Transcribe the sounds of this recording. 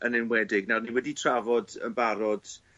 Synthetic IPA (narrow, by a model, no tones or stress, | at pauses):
ənɪnwɛdɪɡnaniwɛditʰravɔdə̰nbaɾɔd̥